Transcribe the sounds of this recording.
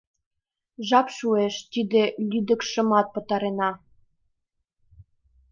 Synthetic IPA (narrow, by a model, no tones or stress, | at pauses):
ʒɑpʃueʃt̪id̪elʲyd̪ə̆kʃə̆mɑt̪̚pə̆t̪ɑɾenɑ